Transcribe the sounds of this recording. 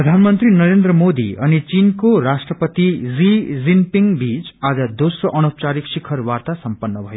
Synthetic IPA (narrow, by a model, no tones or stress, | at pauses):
prʌd̪ʱanmʌnt̪rinʌɾend̪rʌmod̪ḭʌnit͡sinkoɾasʈrʌpʌt̪id͡zid͡zimpiŋbit͡sad͡zʌd̪osroʔʌnop̚t͡saɾiksikʰʌrwart̪asʌmpʌnːʌbʱʌjo